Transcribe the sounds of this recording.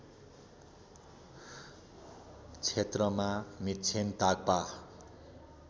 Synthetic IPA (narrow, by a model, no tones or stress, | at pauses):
t͡sʰet̪rʌmamit̪t͡sʰent̪aɡ̚pa